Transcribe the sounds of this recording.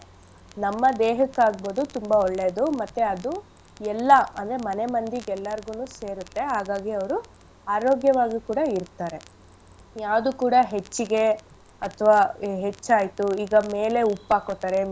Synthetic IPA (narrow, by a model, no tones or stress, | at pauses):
nɐmːɐd̪eːɦɐkːaːɡboːd̪ut̪umbɐɔɭːeːd̪umɐt̪ːeɐd̪u | ɛlːɐɐ̰nd̪ɾemɐnemɐnd̪iɡɛlːɐɾɡuːnuːse̞ːɾut̪ːe̞ɦaːɡaːɡiɐʋɐɾu | aːɾoːɡjɐʋaːɡikuːɽɐiɾt̪aːɾe̞ | jaːd̪ukuːɽɐɦet͡ʃːiɡe̞ | ɐt̪ʰʋaːɦet͡ʃːaːjt̪uiːɡɐme̞ːle̞upːaːkot̪ːaːɾe